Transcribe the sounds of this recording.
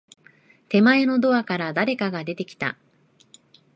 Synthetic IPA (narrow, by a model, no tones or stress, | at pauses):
t̪e̞mae̞no̞d̪o̞akaɾad̪aɾe̞kaɡad̪e̞t̪e̞kʲi̥t̪a̰